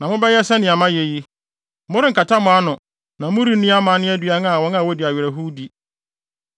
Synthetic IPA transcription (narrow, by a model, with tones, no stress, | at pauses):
nã˨mʊ̃˦bɛ˦jɛ˦sɛ˦nɪ̃˨a˨mã˦jɛ˨ji˦ | mʊ̃˦ɾɪ˦ŋ̩˨kʰa˨ta˦mʊ̃˨a˦nʊ̃˨ | nã˨mʊ̃˦ɾi˦nĩ˦a˦mã˨˦nɪ̃˦æ˦dɥa˦n˦a˨wɔ̃˨˦nã˦˨wɔ˦di˨a˨ɥɛ˨ɾæ˨ɦu˦di˨